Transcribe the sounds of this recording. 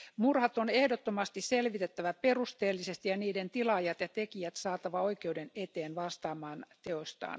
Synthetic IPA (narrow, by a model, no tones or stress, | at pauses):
murhɑt̪onehdot̪ːomɑst̪isselʋit̪et̪ːæʋæperust̪eːlːisest̪ijɑniːdent̪ilɑjɑt̪jɑt̪ekijæt̪sɑːt̪ɑʋɑoikeudenet̪eːnʋɑst̪ɑːmɑːnt̪eost̪ɑ̰ːn